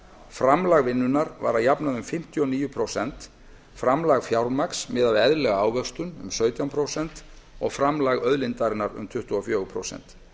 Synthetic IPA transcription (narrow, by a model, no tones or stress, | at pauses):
fɾamlaɣvɪnːʏnaɾva̰ɾaðjapnaðʏmfɪm̥t̪ʰjɔniːjʏpʰɾowsɛn̥t̪ | fɾamlaɣfjawɾmaksmɪːðaðɛðlɛɣaaːwvœkst̪ʏnʏ̰msœːɥt̪jawmpʰɾowsɛn̥t̪ɔɣfɾamlaɣœðlɪnt̪aɾɪnaɾʏ̰mt̪ʰʏht̪ʏɔfjœːɣʏpʰɾo̰wsɛ̰n̥t̪